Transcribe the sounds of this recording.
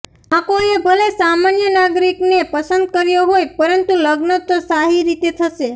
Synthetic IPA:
akoebʱəlesamanjənaɡɾiknepəsənd̪̚kəɾjoɦojpəɾənt̪uləɡnət̪osaɦiɾit̪et̪ʰəʃe

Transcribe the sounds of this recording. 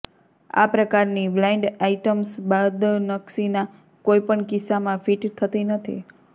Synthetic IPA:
a̰pɾəkaɾniblaiɳɖaiʈəmsbad̪nəksina | koipəɳkɪsamãfiʈt̪ʰət̪inət̪ʰḭ

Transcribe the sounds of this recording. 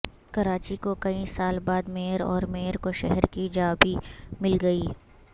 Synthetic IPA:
kɐɾaːt͡ʃikokɐisaːlbaːd̪meːəɾɔ̰ːɾmeːəɾkoʃɛɦɛɾkid͡ʒaːbimɪlɡɐiː

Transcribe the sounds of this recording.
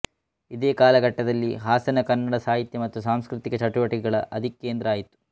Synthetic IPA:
id̪eːkaːlɐɡʱɐʈːɐd̪ɐlːiɦaːsɐnɐkɐnːɐɽɐsaːɦit̪jɐmɐt̪ːusaːmskɾɪt̪ikɐt͡ʃɐʈuʋɐʈikɛɡɐɭɐʔɐd̪ʱikːe̞ːnd̪ɾɐaːjit̪ːu̥

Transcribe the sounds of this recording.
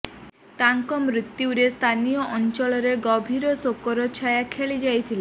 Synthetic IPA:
t̪aŋkɔmɾit̪juuɾest̪ʰanijɔʔɔnt͡ʃɔɭɔɾeɡɔbʱiɾɔsokɔɾɔt͡ʃʰajakʰeɭid͡ʒajt̪ʰile

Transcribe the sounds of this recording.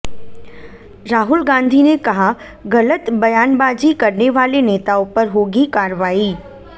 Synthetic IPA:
ɾaːɦʊlɡãːnd̪ʱinekɐɦa | ɣɐlət̪bɐjaːnbaːd͡ʑikɐɾneʋaːleneːt̪aopəɾɦoːɡikaːɾʋaːiː

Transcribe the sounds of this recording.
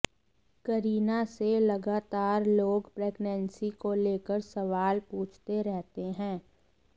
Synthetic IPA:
kəɾiːnaselɐɡaːt̪aːɾloːɡpɾeːɡnɛ̃nsikoleːkəɾsəʋaːlpũːt͡ʃʰt̪eɾɛɦt̪eɦɛ̃ː

